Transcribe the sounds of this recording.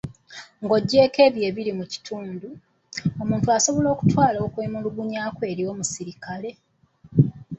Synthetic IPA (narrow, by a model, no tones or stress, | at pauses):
ŋɡo̞ɟːe̞ːke̞ːβje̞ːβilimuci̥tʰuːndu | o̞muːntuaso̞βo̞lo̞ːku̥twaːlo̞ːkweːmuluɡuɲaːkwe̞ːɾio̞ːmusiɾikale̞